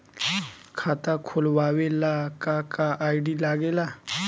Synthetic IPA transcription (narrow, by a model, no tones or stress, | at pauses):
kʰat̪akʰolʋaːʋelakakaʔaːjɖilaːɡela